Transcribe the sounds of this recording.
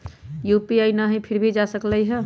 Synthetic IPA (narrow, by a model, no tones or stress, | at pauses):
jupiajnəɦipʰiɾbʱid͡ʒasəkləjɦə